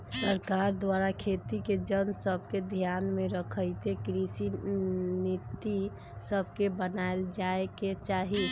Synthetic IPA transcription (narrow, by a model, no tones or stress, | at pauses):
səɾkaɾd̪waɾakʰet̪iked͡ʒənsəbʱked̪ʱjanmeɾəkʰəjt̪ekɾisinit̪i | səbʱkebənaeld͡ʒaeket͡ʃaɦi